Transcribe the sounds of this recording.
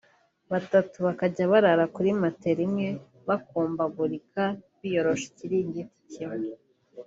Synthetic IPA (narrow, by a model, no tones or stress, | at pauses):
βatatuβakaɟaβaɾaɾakuɾimate̞ɾimŋe̞ | βakuːmbaɡuɾikaβijo̞ɾo̞ʃi̥ciɾiːɲɡiti̥cime